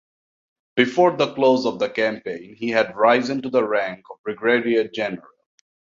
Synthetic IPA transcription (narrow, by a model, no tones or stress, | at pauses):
b̥ɪfɔːɾd̪əkloːzɔvd̪əkæ̃mpẽɪ̃nhiɦæɖɹaɪzɪ̃nʈud̪əɹæ̃ŋkɔvɹɪɡɹeɾiəd͡ʒɛnəɹɾəl̩